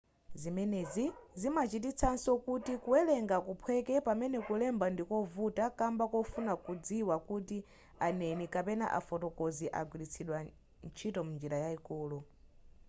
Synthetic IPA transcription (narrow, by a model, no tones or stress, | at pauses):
zimɛnɛzizimat͡ʃit̬it͡sʰansɔkutikuɛlɛŋɡakupʰwɛkɛpamɛnɛkulɛmbandikɔvutakambakɔfunakud͡ziwakuti | anɛnikapɛna̰ʔa̰fɔtɔkɔziʔaɡwilit͡sʰiɗwa | nt͡ʃʰitɔmund͡ʒiɾajaikɔːlɔ